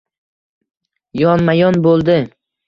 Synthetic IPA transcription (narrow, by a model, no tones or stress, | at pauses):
jɒnmajɒnbolˠd̪ɪ